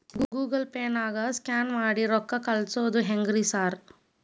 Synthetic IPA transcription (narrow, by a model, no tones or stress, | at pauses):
ɡuɡuːɡɐlpeːnaːɡɐskaːnmaːɽiɾɔkːɐkɐlsoːd̪uɦeŋɡɾisaːɾ